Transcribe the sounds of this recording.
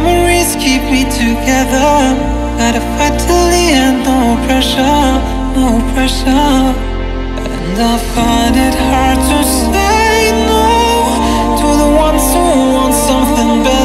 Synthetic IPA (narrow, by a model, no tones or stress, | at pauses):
mə˞iz̥kʰip̚mitʰɨɡɛðə˞ | ɡaɾɨfaɪtʰɨiɛ̃nopʰɹ̥ɛʃə˞ | opʰɹ̥ɛʃə | ʔɨ̰̃naɪfãɪ̃ndɪt̚hɑɹd̚tʰɨs | eɪɪno | tʰəðəwʌ̃nsuwʌ̃nsʌ̃mθɪ̃ŋbɛ